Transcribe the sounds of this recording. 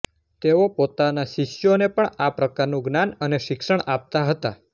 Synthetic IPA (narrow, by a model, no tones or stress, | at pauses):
t̪eopot̪anaʃiʃjonepəɳapɾəkaɾnũɡnanəneʃɪkʃəɳap̚t̪aɦət̪a